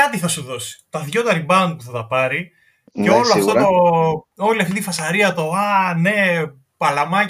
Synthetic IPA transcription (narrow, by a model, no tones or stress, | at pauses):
ɐt̪iθɐsuðo̞si̥t̪ɐðʝo̞t̪ɐɾibɐnd̪̚puθɐt̪ɐpɐɾi | ceo̞loɐft̪ot̪oo̞liliɐft̪itifɐsɐɾiɐt̪o̞ɐne̞ | pɐlɐmɐ